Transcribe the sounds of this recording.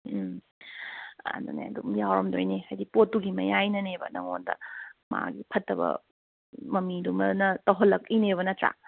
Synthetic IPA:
a̰dunḛɐdumjawɾɐmdojnehajdipotːuɡimɐjajnɐnebɐ̰nɐ̰ŋondɐ̰ma̰ɡipʰɐtːɐbɐ̰ | mɐmidumɐnɐtɐwɦɐlːɐkineβɐnɐtɾa̰

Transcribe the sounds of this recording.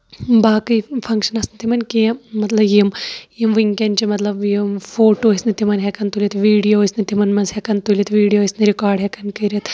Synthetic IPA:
baːkɨjfʰɐŋkʃɐnɐsnit̪ʰimɐnkimɐt̪lɐbjimjimʋiŋkent͡ʃimɐt̪lɐbjimfoːʈoːisnit̪imɐnɦɛkɐnt̪ulʲit̪ʋiːɽijoːisnit̪imɐnmɐnsɦekɐnt̪ulʲit̪ʋiːɖijoːisniɾikaːɾɖɦekɐnkɐɾit̪

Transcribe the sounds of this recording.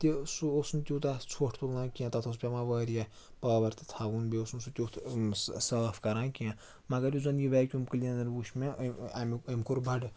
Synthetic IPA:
t̪isuosnt̪ʲut̪at͡sʰoːʈʰt̪ulnãːkʲiãt̪ɐt̪ʰɐs̬pʲamaʋəːɾija | pɐːbɐɾt̪ɨ̥t̪ʰaʋunbeosnsut̪ʲot̪ʰsɐːfkɐɾãːkiã | mɐɡɐɾizɐnjiʋaːkʲumkɨlʲinɐɾʋuʃmẽaməmkuɾbʱɐɖ

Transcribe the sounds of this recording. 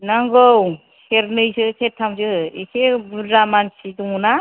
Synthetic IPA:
naŋɡɔw | seɾnɯjsɯsetʰːamzɯisebuzamansiduŋuna

